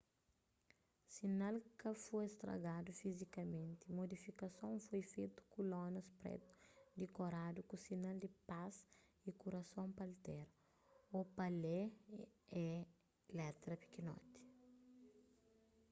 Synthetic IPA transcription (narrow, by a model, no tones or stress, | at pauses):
sinalkɐfoest̪ɾɐ̰ɡad̪ufizikɐmẽnt̪imod̪ifikɐsõwfojfet̪u̥kulɔ̃nɐspɾɛ̰t̪u̥d̪ikoɾad̪ukusinald̪ipas | ikuɾɐsõpɐlt̪ɛɾ | opɐle | ɛ | lɛt̪ɾɐpi̥kinɔ̰t̪i̥